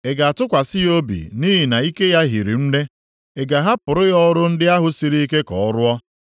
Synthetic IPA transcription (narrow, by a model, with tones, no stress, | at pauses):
e˨ɡa˨a˨tʊ˦kʷa˨sɪ˦jo˦bḭ˨ni˦ɦi˨na˨i˦ke˦ja˦ɦi˨ɾḭ˨m̩˦ne˦ | e˨ɡa˨ɦa˦pʊ˨ɾʊ˦jɔ˦ɾʊ˦n̩˦dɪ˦a˦ɦʊ˨si˨ɾi˦i˦ke˦kɔ̰˨ɔ˦ɾʊ˦ɔ˦